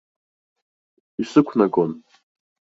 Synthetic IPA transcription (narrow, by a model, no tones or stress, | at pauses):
isɨkʷʰnaɡʼon